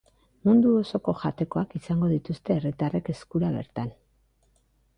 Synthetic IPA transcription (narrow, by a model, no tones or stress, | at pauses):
mund̪uo̞so̞ko̞ʝat̪e̞ko̞akisaŋɡo̞ðit̪ust̪e̞ːrit̪are̞ke̞skuɾaβe̞̰ɾt̪an